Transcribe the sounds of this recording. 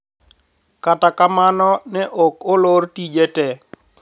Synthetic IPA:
katakamanɔnɛʔokolortid͡ʒetɛ

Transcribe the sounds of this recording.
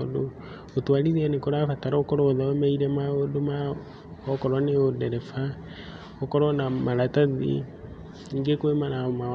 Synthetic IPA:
odo | otwaliðianekoɾafataɾaokɔɾɔːðaɔmɛiɾɛmaodoma | ɔkɔɾɔneodɛɾɛfa | ɔkɔɾɔnamaɾataðḭ | ŋɡekwemaɾaoma

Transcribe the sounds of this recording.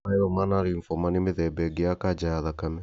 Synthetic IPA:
aeɾɔmanaɾiɱfɔmanemeðɛbɛɡeakad͡ʒajaðakamɛ

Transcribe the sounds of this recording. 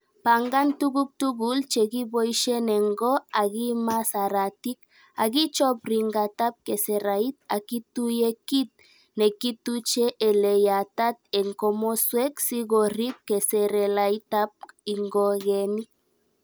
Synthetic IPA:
paŋɡant̪uɣuk̚t̪uɣult͡ʃeɣibojʃeneŋɡoaɣimasaɾat̪ik | aɣit͡ʃopriŋɡat̪ap̚keseɾait̪̚a̰kit̪ujekit̪̚ | nekit̪ut͡ʃeʔelejat̪at̪̚eŋkomosweksiɣorip̚keseɾelajt̪ap̚iŋɡoɣenik

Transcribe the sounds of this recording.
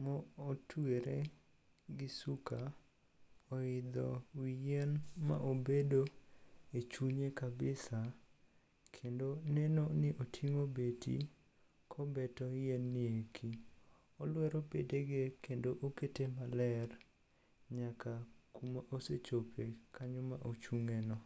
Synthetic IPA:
mɔotʰweɾe | ɡɪsuka | oɪd̪ɔ̰wijɛnma̰ʔobedoet͡ʃuɲekabɪsa | kʰendonɛnonɪʔotʰiŋobetʰḭ | kʰɔbɛtɔjɛnːɪekʰi | ɔlwɛɾɔpedeɡekendoʔoketemalɛr | ɲakakumaʔoset͡ʃopʰekʰaɲɔmaʔot͡ʃuŋɛnɔ

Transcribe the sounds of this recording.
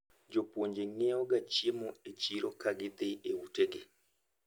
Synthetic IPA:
d͡ʒopwoɲd͡ʒeŋɛɔɡat͡ʃiemɔet͡ʃiɾɔkaɡɪd̪eeuteɡe

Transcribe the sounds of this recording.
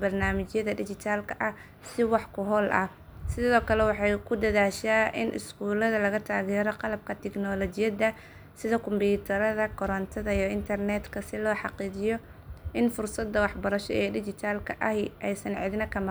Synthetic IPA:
bɐrnaːmɪt͡ʃjɐðɐdɪt͡ʃɪt̪ʰaːlkʰɐʔɐ | sɪwɑħkʰʊɦɔːlʔɐ̰ | sɪðɔːkʰɐlɛwɑħɑjkʰʊd̪ɐðaːʃaːʔɪ̰nʔɪ̰skuːlɐðɐlɐɣɐt̪ʰaːɣɛːɾɔqɑlɐb̚kʰɐt̪ʰɛknɔːlɔt͡ʃɪjɐd̪ɐ | sɪðɔkʰʊmbiːt̪ʰɐɾɐðɐkʰɔɾɐnt̪ʰɐðɐijɔɪnt̪ʰɐrnɛd̪kʰɐsɪlɔːħɑqiːd͡ʒɪjɔ | ʔɪnfʊrsɐd̪ɐwɑħbɐɾɐʃɔɛːɖɪt͡ʃɪt̪ʰaːlkʰɐʔɐhɪʔɛjsɐnʕɪd̪nɐkʰɐmɐ

